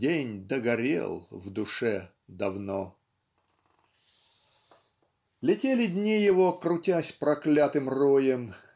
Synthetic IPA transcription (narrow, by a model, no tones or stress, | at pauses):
enʲd̪əɡɐɾʲḛlˠvd̪ʊʂɛ | d̪ɐvno | lʲɪtʲelʲɪdʲnʲijɪvokɾʊtʲasʲpɾɐklʲat̪ɨmrojəm